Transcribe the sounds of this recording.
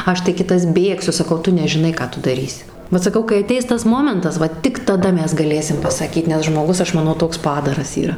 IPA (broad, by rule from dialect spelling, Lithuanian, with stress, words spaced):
ˈɐʃ tɐɪ ˈkʲɪtɐs ˈbʲeːksʲʊ sɐˈkɐʊ ˈtʊ nʲɛʒʲɪˈnɐɪ ˈkɑː tʊ dɐˈrʲiːsʲɪ ˈʋɐt sɐˈkɐʊ kɐɪ ɐˈtʲɛɪs ˈtɐs ˈmoːmʲɛntɐs ˈʋɐ tʲɪk tɐˈdɐ ˈmʲɛs ɡɐˈlʲeːsʲɪm pɐsɐˈkʲiːt nʲɛs ʒmoːˈɡʊs ˈɐʃ mɐˈnɐʊ ˈtoːks ˈpɑːdɐrɐs iːˈrɐ